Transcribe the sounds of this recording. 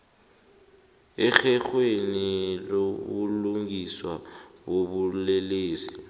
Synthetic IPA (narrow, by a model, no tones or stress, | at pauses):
ɛxɛxweniloβuluŋiswaɓoβulɛleːsi